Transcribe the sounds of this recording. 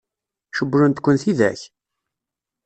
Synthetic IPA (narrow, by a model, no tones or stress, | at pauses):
ʃəbːɾʊnt̪kʷːənθiðæ̰ç